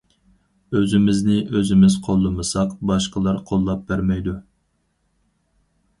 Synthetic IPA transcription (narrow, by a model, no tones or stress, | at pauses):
øzɪmɪznɪʔøzɪmɪz̥qʰolˠːɨmɨsɑqbɑʃqəlˠɑɾqʰolˠːɑp̚bæɾmɛjd̪u